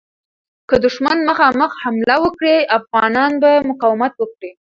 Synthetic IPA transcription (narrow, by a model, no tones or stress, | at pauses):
kəd̪ʊʃmanməxɑməxhamlawəkɽeafɣɑnɑnbamʊqɑwɪmat̪wəkɽe